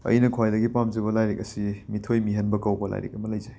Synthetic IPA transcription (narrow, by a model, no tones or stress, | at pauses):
ɐ̰jnɐkʰwajdɐɡipamziβɐlajɾek̚ɐsimitʰojmiɦɐnbɐkawbɐla̰jɾḛk̚ɐmɐlɐjzɐj